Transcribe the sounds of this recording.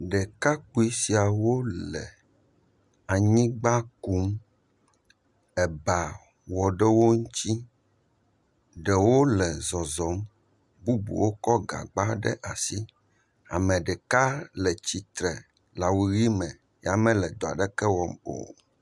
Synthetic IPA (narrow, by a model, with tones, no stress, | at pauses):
ɖɛ˨ka˦k͡pu˦i˦si˨a˨wo˦lɛ̰˨ | a˨ɲĩ˦ɡ͡ba˦ku˦m | ɛ˨ba˨ | wɔ˨ɖɛ˦wo˦ŋu˦ti˦ | ɖɛ˨wo˦lɛ˨zɔ˨zɔ˨˦m | bu˦bṵ˨wo˦kɔ˦ɡa̰˨ɡ͡ba˦ɖɛ̰˦ʔa˨si˦ | a̰˨mɛ̃˨ɖɛ˨ka˦lɛ˨t͡ɕi˨t̪ɾɛ˨ | la˨wu˨ɣi˦mɛ̃˨ | ja˨mɛ̃˦lɛ˨d̪ɔ˨a̰˨ɖɛ˦kɛ˦wɔ˦mo̰˨